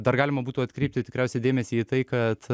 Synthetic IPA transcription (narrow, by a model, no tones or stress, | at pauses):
d̪ɐrɡɑːlʲɪmɐbuːt̪uːɐt̪ʲkɾʲɛɪp̚t̪ʲɪt̪ʲɪkɾʲæˑʊsʲɛɪd̪ʲeːmʲɛsʲiːiːt̪ɐɪkɐt̪